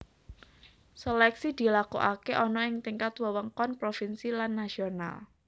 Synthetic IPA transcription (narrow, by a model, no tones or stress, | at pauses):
selɛksid̪̥i̤lakṵʔakeʔɔnɔɪŋt̪iŋkat̪wəwəŋkɔnpɾofinsilanːasiona̰l